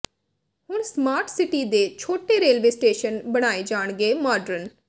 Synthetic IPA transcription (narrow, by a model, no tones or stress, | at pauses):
hʊɳ̃smaːɾʈʰsɪʈiːd̪eːt͡ʃʰoːʈeːɾeːlʋeːsʈeːʃənbəɽ̃aːed͡ʒaːɳɡeːmaːɖəɾən